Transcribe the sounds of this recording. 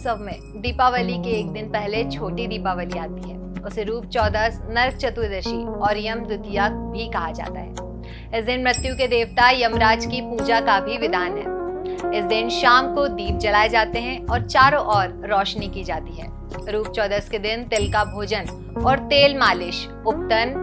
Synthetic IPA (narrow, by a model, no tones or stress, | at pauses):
səbmẽ | d̪iːpaʋəlikeeːk̚d̪ɪnpɛɦlet͡ʃʰoːʈid̪iːpaʋəliaːt̪iɦɛːʊseɾuːp̚t͡ʃɔːd̪əsnɐɾt͡ʃɐt̪wd̪əʃiɔːɾɪjəmd̪ʊt̪jamĩkɐɦad͡ʒa̰ːt̪a̰ɦɛ̰ː | ɪsd̪ɪnmɾɪt̪jũked̪eːʋt̪aːɾjɐmɾaːd͡ʒkipuːd͡ʒakabʱiʋɪd̪ʱaːnɦɛ̰ːɪsd̪ɪnʃaːmkod̪iːp̚d͡ʒɐlaːed͡ʒaːt̪eɦɛ̃ɔːɾt͡ʃaːɾõʔɔːɾːɔːʃnikid͡ʒaːt̪iɦɛ̰ː | ɾuːp̚t͡ʃɔːd̪əsked̪ɪnt̪ɪlkabʱoːd͡ʒən | ɔːɾt̪eːlmaːlɪʃ | ʊp̚t̪ən